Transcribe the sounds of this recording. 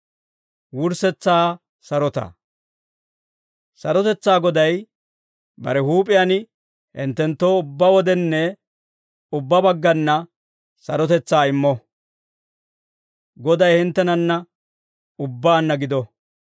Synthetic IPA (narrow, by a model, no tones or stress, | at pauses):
wʊɾsɛt͡sːaː | sɐɾɔt̪ɐ̰ | sɐɾɔt̪ɛt͡sːaːɡɔd̪ɐj | bɐ̰ɾɛɦuːpʼɪjanɪ | hɪ̰nt̪ːɛnt̪ːoːʊbːɐwɔd̪ɛnːɛ | ʊbːɐbɐɡːɐnːɐ | sɐɾɔt̪ɛt͡sːaːɪmːɔ | ɡɔd̪ɐjhɪnt̪ːɛnɐnːɐ | ʊbːaːnːɐɡɪd̪ɔ